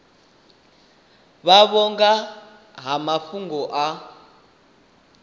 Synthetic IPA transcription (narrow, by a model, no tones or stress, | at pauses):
βaβɔŋɡa | ɦamafuŋɡɔʔa